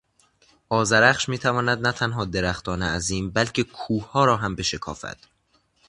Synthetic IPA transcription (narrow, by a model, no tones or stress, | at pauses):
ʔɒːzæɾæχʃmiːt̪ʰævɒːnæd̪næt̪ʰænɦɒːd̪eɾæxt̪ɒːneæziːmbælcʰekʰuːhɒːɾɒːɦæmbe̞ʃekʰɒ̰ːfæ̰d̪̥